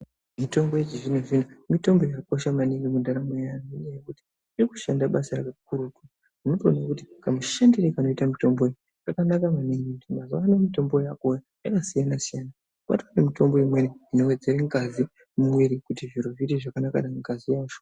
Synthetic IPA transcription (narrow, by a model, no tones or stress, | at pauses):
mito̞mbojet͡ʃiʐinoʐinumito̞mbo̞jako̞ʃamaniŋɡimundaɾamejanuinejekuti̥ | iriku̥ʃandaɓasaɾakakuɾuku | uno̞toonakuti̥kamuʃendeɾekano̞itamito̞mbo̞e | jakanakamaniŋɡitimazowanamito̞mbo̞jakoja | jakasijanasijana | pa̰twanemito̞mbo̞imwe̞niino̞we̞d͡ze̞ɾeŋɡazi | mumwiɾikutiviɾo̞vitiʐakanaka̰ɗaŋɡazijaːt͡ʃo̥